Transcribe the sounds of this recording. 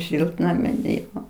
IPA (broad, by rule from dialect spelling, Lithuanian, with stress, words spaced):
ˈʃʲɪlˠtnɐmʲɪn ˈjoː